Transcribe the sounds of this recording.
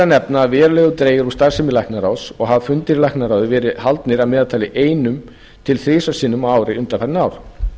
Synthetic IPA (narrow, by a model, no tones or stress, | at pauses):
anɛpnaːvɛːɾalɛːɣʏt̪ɾeːjɪɾust̪aɾ̥sɪmɪlahknaɾawsɔɣɦavfʏnt̪ɪɾlaɛhknaɾaːwðɪvɛːɾɪhalt̪nɪɾavmɛːðat̪ʰaːlɪʔeːjnʏm | t̪ʰɪlθɾɪːsḁsiːnʏmaːwɾɪʏnt̪anfɛɾnaːwɾ̥